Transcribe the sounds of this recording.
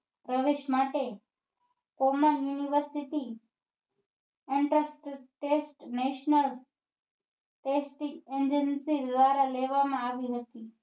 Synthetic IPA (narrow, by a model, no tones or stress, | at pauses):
ɾəʋeʃmaʈe | komənjuniʋəɾsiʈi | ɪɳʈɾəsʈʈesʈneʃnəl | ʈesʈikend͡ʒənsid̪ʋaɾaleʋamãaʋiɦət̪i